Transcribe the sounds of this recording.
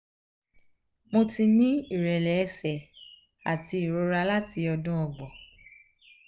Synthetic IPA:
mo˧ti˧nĩ˦i˦˨ɾɛ˨lɛ˨ɛ˧sɛ˨ | a̰˨ti˧˦i˨ɾo˧ɾa˧la˦ti˧ɔ˧dũ˦ɔ˧ɡ͡bɔ˨

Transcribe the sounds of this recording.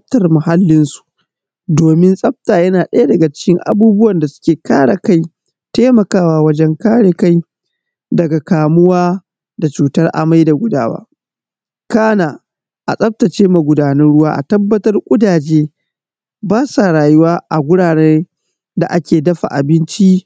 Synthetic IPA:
tɐ˨rmʊ˨ha˦lːɪ˦nsu̥˨ʔ | doː˨mɪ˦nsʼɐ˦b̚taː˨jɐ˦naː˨ɗɐ˦ja˦dɐ˨ɡa˨t͡ʃɪ̥˦kʲɪ˦ŋʔa̰˨buː˦bʊ˦wɐ˨nda˨sʊ̥˦kʲeː˨kaː˦ɽa˨ka˦j | teː˦mɐ˨kaː˦waː˦˨wɐ˦d͡ʒɛ˦ŋkaː˦ɽe˨ka˦j | dɐ˨ɡa˨kaː˨mʊ˦waː˦ | da˨t͡ʃuː˨tɐ˦rʔa̰˨ma˦jda˨ɡʷʊ˦da̰ː˦wa̰ː˦ | kaː˦naː˨ | ʔa̰˨sʼɐ˦b̚tɐ˨t͡ʃeː˦ma˨ɡʷʊ˨daː˨nɐ˦nɽʊ˦waː˦ʔa̰˨tɐ˦bːɐ˦tɐ˦rkʷʼʊ˦daː˨d͡ʒeː˦ | baː˦saː˨ɽaː˨jʊ˦waː˦ʔa˨ɡʷʊ˦ɽaː˨neː˦ | da˨ʔa˦kʲeː˨dɐ˦ɸa̰˨ʔa̰˨bɪ˦nt͡ʃi˦

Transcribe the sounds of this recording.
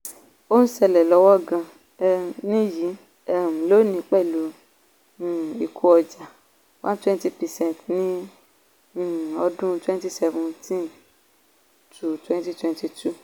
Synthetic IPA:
o˦ñ̩˦sɛ˧˨lɛ˨lɔ˨˧˦wɔ˦˨ɡã˧˨ | nĩ˦ji˨˦˨ | ũ˨lo˨˦nĩ˧˦k͡pɛ˦˨lũ˨˦˨ | i˨kʰu˧ɔ˧d͡ʒa˨ | wã˦twɛ̃˦n˦ti˧pɛ˨sɛ̃˦˨ntnĩ˦˨ | ɔ˧dũ˦twɛ̃˦nti˦sɛ˧vũ˧tĩ˦˨ | tʰu˨twɛ̃˦n˦ti˦twɛ̃˧nti˧tu˦˨

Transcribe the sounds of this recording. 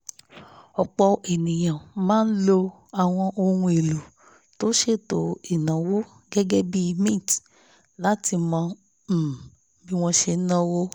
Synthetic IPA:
ɔ˨k͡pɔ˧e˨nĩ˨j̃ã˨mãː˦n̩˦lo˧ | a˨w̃ɔ̃˧ʔo˧hũ˧e˨lu˨ | to˦ʃe˦˨to˨˦i˨nã˨wo˦ | ɡɛ˦ɡɛ˦bi˦mĩ˦˨t | la˦ti˧mã˧˨ | bi˦w̃ɔ̃˧ʃe˧n̩˦nã˦wo˦

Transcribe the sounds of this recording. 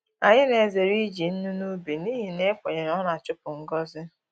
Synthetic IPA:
a˨ɲɪ˦ne˨ze˨ɾi˦d͡ʒi˨n̩˦nu˦nu˦bi˨niː˦ɦi˨ne˦kʷe˨ɲe˨ɾɔ˦na˨t͡ʃʊ˦pʊ˨ŋ̩˦ɡɔ˦zɪ˦

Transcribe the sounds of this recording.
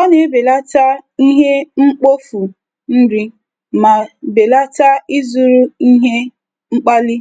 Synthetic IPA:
ɔ˦ne˨e˦be˨la˦ta˦i˦ɦe˦ŋ͡m̩˦k͡po˦fu˨ | n̩˦dɪ˦ | ma˨be˨la˦ta˦i˦zu˨ɾu˦i˦ɦe˦ | ŋ͡m̩˦k͡pa˦li˦

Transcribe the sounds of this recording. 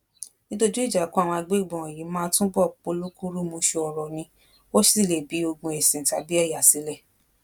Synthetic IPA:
nĩ˦to˧˦d͡ʒu˦i˦˨d͡ʒa˨˦kũ˦a˦˨w̃ɔ̃˧a˧ɡ͡be˦i˦˨ɡ͡bɔ̃˨ɔ̃˨ji˨˦mãː˦tũ˦bɔ˦˨k͡po˨˧˦lu˦ku˦ɾu˦mo˧ʃe˧ɔ˧ɾɔ˨nĩ˧ | o˦si˦˨le˨bi˨˦o˧ɡ͡bũ˧ɛ˨sĩ˨ta˧˦bi˦ɛ˦˨ja˨si˨˦lɛ˦˨

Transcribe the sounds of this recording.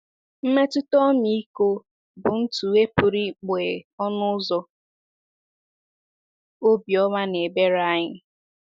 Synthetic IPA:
m̩˦me˦tʊ˦tɔ˦mi˦i˦ko˦ | bʊ˨n̩˦tu˨e˦pʊ˨ɾi˦k͡pe˨ɔ˦nʊ˦zɔ˦ | o˦bi˨ɔ˦ma˦ne˨be˦ɾa˦ɲɪ˦

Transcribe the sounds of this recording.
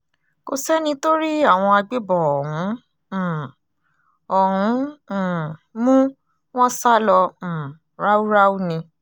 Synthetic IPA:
ko̰˧sɛ˦nĩ˧to˦ɾi˦a˦˨w̃ɔ̃˧a˧ɡ͡be˦bɔ˨ɔ˨ɦũ˨˦˨ | ɔ˨ɦũ˨˦˨ | mũ˦ | w̃ɔ̃˦sa˦lɔ̃˧˨ | ɾa˦u˦ɾa˦u˦nĩ˧

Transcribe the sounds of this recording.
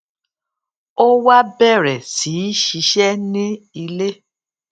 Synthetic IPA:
o˦wa˦bɛ˦˨ɾɛ˨si˨˦ʃi˧ʃɛ˦nĩ˦i˧le˦

